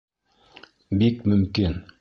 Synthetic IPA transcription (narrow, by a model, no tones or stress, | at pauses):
bikmɵ̆mkin